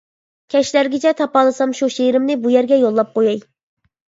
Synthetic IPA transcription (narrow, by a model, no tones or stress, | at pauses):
kʲʰɛʃlæɾɡʲɪt͡ʃʰɛt̪ʰɑpɑlˠɨsɑmʃuʃejɾɪmnɪbujɛɾɡʲɛjolˠːɑp̚qojɑj